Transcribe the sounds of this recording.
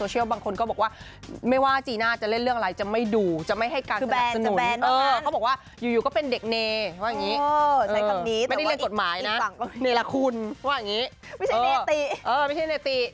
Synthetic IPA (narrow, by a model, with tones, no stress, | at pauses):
oː˧t͡ɕʰi˥˩wbaː˧ŋkʰo˧nkɔː˥˩bɔː˨˩kwaː˥˩ | ma˥˩jwaː˥˩t͡ɕiː˧naː˥˩t͡ɕa˨˩le˥˩nɾɯ˥˩əŋa˧ɾa˧jt͡ɕa˨˩ma˥˩jduː˧t͡ɕa˨˩ma˥˩jɦa˥˩jkaː˧nː˧a˨˧˨sa˧nu˩˦ɛ˧ɤː˧kʰbɔ˨˩k̚waː˥˩ | juː˨˩juː˨˩kɔː˥˩pe˧nde˨˩k̚neː˧waː˥˩jŋiː˦˥ʔɤ˨˧a˩niː˦˥a˥˩˨da˥˩le˥˧˨ko˨˩t̪̚maː˩˦jna˦˥˨ŋ˥˩˧neː˧la˧kʰu˧nwaː˥˩ja˨˩ŋiː˦˥ | a˥˩jaː˧˩˧t̪i˧ʔɤː˧ma˥˩jt͡ɕʰa˥˩jneː˧t̪i˧˩